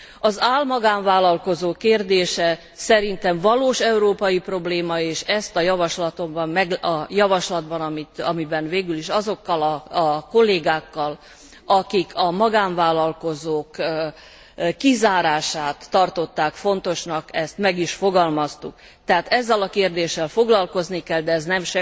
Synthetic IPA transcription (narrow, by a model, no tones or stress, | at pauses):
ɒzaːlmɒɡaːɱvaːlɒlko̞zoːkːeːrd̪eːʃɛ | sɛɾint̪ɛɱvɒloːʃɛuɾoːpɒjipro̞bleːmɒeːʃɛst̪ɒjɒvɒʃlɒt̪o̞mbɒmmɛɡɒjɒvɒʃlɒd̪bɒnɒmit̪ɒ̰mibɛnveːɡyliʃɒzo̞kːɒlɒko̞lːeːɡaːkːɒl | ɒkikʰɒmɒɡaːɱvaːlɒlko̞zoːk | kːizaːɾaːʃaːt̪ːɒrt̪o̞t̪ːaːkfo̞nt̪o̞ʃnɒkɛst̪mɛɡiʃfoɡɒlmɒst̪uk | t̪ɛɦaːt̪ɛzːɛlɒkeːrd̪eːʃːɛlfo̞ɡlɒlko̞znikɛld̪ɛːznɛmʃɛ